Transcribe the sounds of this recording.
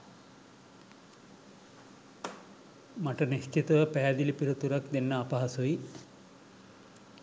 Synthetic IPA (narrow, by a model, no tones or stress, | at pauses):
mɐʈɐniskit̪ɐʋɐpɛːd̪ilipiɾɐt̪uɾɐkd̪enːɐapɐɦɐsui